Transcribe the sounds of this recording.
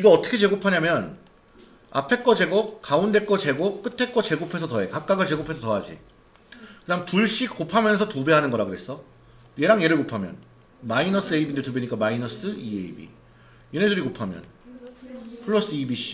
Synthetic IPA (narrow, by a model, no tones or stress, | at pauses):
iɡʌʌt͈ʰʌ̥kʰet͡ɕe̞ɡopʰaɲamjʌn | a̰pʰe̞k͈ʌd͡ʑe̞ɡokaunde̞k͈ʌt͡ɕe̞ɡok͈ɯtʰe̞k͈ʌt͡ɕe̞ɡopʰe̞s̬ʰʌtʌe̞kak̚k͈aɡɯɭt͡ɕe̞ɡopʰe̞sʰʌtʌɦad͡ʑḭ | kɯɲamtuɭɕ͈ikk͈opʰamjʌnsʰʌtube̞ɦanɯnɡʌɾaɡoɦes͈ʌ | je̞ɾaŋje̞ɾɯɭkopʰamjʌ̰n | mainʌs͈ʰɯeibindetube̞ɲik͈amainʌs͈ɯieibḭ | jeneduɾikopʰamjʌ̰n | pʰɯɭːʌs͈ɯibiɕ͈i̥